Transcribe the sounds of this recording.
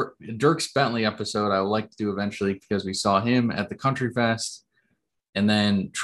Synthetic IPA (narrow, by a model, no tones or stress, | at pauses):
dɜ˞ksb̥ɛ̃nliɛpɨsoʊɾaɪwədˡlaɪk̚tʰɨdɨːvɛ̃nt͡ʃl̩ˠikʰʌzwisɔɪ̃mɨ̰t̪̚ðɨkʰʌ̃nt͡ʃɹ̥ifɛst | ɨ̃nðɨ̃ntʰ